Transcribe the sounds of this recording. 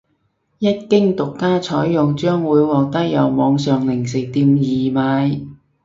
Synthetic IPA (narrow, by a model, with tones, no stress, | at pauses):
jɐ˥t̚kɪ˥ŋt̪ʊ˨kːaː˥t͡ʃʰɔː˨˥jjʊ˨ŋt͡ʃœː˥ŋwuː˨˧jwɔː˨k̚t̪ɐ˥k̚jɐ˨wmɔː˨˧ŋsœː˨ŋlɪ˨˩ŋsɪ˨˩k̚t̪iː˧mjiː˨˩maː˨˧j